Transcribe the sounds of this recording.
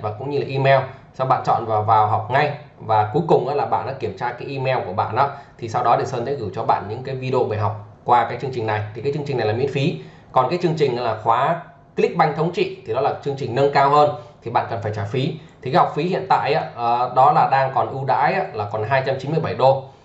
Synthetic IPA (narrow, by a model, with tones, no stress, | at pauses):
vaː˨˩kʊ̰˧˥ŋ͡mɲɨ˧laː˨˩ʔi˧mɛ˧wsa˧wɓa̰ː˧˨nt͡ɕɔ̰˧˨nvaː˨˩wvaː˨˩wɦa˨˩wk͡p̚ŋa˧j | vaː˨˩ku˨˦jkʊ˨˩ŋ͡mʔa̰ː˧˥laː˨˩ɓa̰ː˧˨nɗa̰ː˧˦ki˧˩əmt͡ɕaː˧kaː˨˦jʔi˧mɛ˧wku˧˩əɓa̰ː˧˨nʔaː˨˧˦t̪ʰi˨˩sa˧wɗɔ˨˦ɗe˨˩səː˧nt̪ḛ˧˥ɣɨ˧˩t͡ɕɔ˧ɓa̰ː˧˨nɲɨ̰˧˥ŋkaː˨˦jvi˧ɗo˧ɓəː˨˩ɦa˨˩wk͡p̚kwaː˧kaː˨˦jt͡ɕɨ˧əŋt͡ɕï˨˩ŋna˨˩jt̪ʰi˨˩kaː˨˦jt͡ɕɨ˧ŋt͡ɕi˨˩ŋna˨˩jlːaː˨˩m̰ḭ˧˥nfi˨˦ | kɔ˨˩nkaː˨˦jt͡ɕɨ˧əŋt͡ɕï˨˩ŋ̟̰˧˥laː˨˩xwaː˨˦ | kli˦˥k̚ɓa˧jŋt̪ʰə˨˦wŋ͡mt͡ɕḭ˧˨t̪ʰi˨˩ɗɔ˨˦laː˨˩t͡ɕɨ˧əŋt͡ɕï˨˩ŋ̟nə˧nkaː˧whəː˧nt̪ʰi˨˩ɓa̰ː˧˨nkə˨˩nfaː˧˩jt͡ɕaː˧˩jfi˨˦t̪ʰi˨kaː˨˦jha˨˩k͡p̚fi˨˦hḭ˧˨ənt̪a̰ː˧˨jʔaː˨˦˨ɗɔ˨˦laː˨˩ɗaː˧ŋkɔ˨˩nʔu˧ɗa̰ː˧˥jʔaː˧˥laː˨˩kɔ˨˩nɦaː˧jt͡ɕa˧mt͡ɕi˨˦nmɨ˧əjɓa˧˩jɗo˧